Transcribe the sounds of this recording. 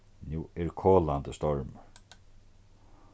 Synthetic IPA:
njuːɛɹkʰoːlant̪əst̪ɔɹmə

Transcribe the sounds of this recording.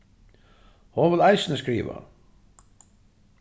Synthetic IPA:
hɔʋɪlajsɪnəskɾḭːʋa̰

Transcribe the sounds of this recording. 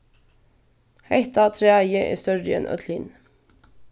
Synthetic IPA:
hɛɪt̪ɑt̪ʰɾeːæɪəʔḛːst̪œɹəɛ̰nʔœ̰t̪ʰlɪn

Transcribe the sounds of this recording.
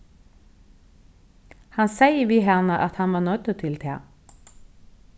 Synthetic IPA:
hɑnsæɪəʋiːɦæʁnəʔɑt̪hɑnʋɑːnœt̪ət̪ʰɪlt̪ʰḛː

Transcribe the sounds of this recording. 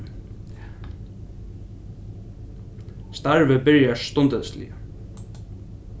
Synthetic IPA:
st̪aɹvəbɪɹjast̪ɔnt̪əðslɪ̰ə

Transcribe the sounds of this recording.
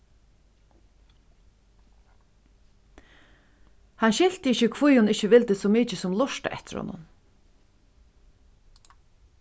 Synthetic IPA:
hanɕɪl̥t̪əɪçɪkʰvujʊnɪhcəʋɪlt̪ɪsɔmiːt͡ʃɪsʊmlʊʂt̪a̰ʔɛ̰ht̪ɪ̥ɾhɔ̰nʊ̰n

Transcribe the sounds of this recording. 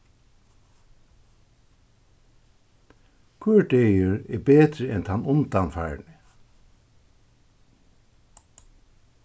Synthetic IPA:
kʰʏɹɖejɪɹɛbeːt̪ɾɪɛnt̪ʰanʊnt̪anfaːɹnɪ

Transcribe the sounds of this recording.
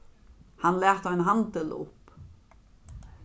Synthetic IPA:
hanːlɛːht̪avɪnɦant̪ɪlʊ̰hp

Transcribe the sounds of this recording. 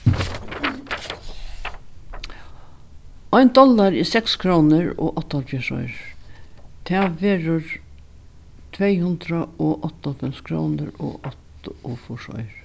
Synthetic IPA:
ɑɪnd̪ɔlɑɾiːsɛkskʰɾoːnəɹo̰ːʔɔt̪ːhɑlfɪʂɔ̰ʏɹ | t̪ʰæːʋeːɾəɹ | t̪ʰʋeɪhʉnd̪ɾəoːʔɔt̪ːafɛmskʰɾo̰ːnəɾo̰ːʔɔt̪ofɔʂɔ̰ʏɹ

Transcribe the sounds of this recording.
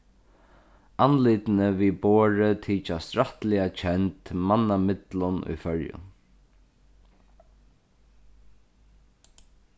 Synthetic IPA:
anliːt̪nəʋiːboːɹət̪ʰiːt͡ʃast̪ɾaht̪lɪat͡ʃʰɛnt̪manːamɪt̪lʊnṵjfœɹjʊ̰n

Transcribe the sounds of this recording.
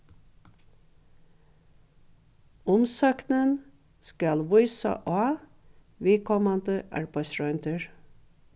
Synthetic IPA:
ɔmsɑːknən | skɑlʋʊʏsɑ̰ʔɑː | ʋeːkʰɔmɑnd̪əʔæ̰ɹpɑɪsɹœʏnt̪ʰəɹ

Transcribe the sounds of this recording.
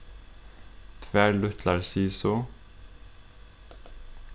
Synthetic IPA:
t̪ʰʋæːɹɭʉt̪ʰlɑɹsiːsoː

